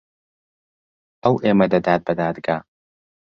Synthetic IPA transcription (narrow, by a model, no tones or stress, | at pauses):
ɐwʔemɐd̪ɐd̪aːd̪̚bɐd̪aːd̪ɡaː